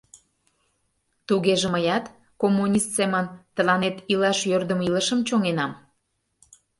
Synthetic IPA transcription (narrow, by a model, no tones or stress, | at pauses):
t̪uɣeʒĕməjɑt̪ | komːunʲist̪semənt̪ə̆lɑnet̪ilɑʃjørd̪ə̆milə̆ʃə̆mt͡ɕoŋenɑm